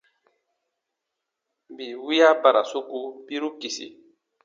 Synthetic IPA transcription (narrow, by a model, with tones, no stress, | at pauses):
bi˨wi˦ja˦ba˨ɾa˨su˦ku˦bi˦ɾu˦ki˨sḭ˨